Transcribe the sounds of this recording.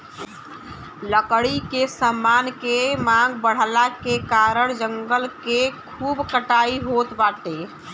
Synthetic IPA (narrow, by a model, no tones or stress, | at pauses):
ləkɽikesamːankemãŋɡbəɽ̤lakekaɾəɽ̃d͡ʒəŋɡəlkekʰuːbkəʈaːiɦot̪baʈe